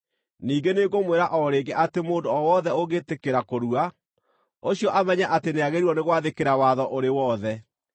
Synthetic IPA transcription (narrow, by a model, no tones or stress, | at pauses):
niːɡeneɣomweɾaʔɔɾeːɡɛʔatemoːndoɔwɔðɛoɣetekeɾakoɾua | oɕijɔʔamɛɲaʔateneaɣeɾiuɔneɣwaðekeɾawaðɔʔoɾewɔðɛ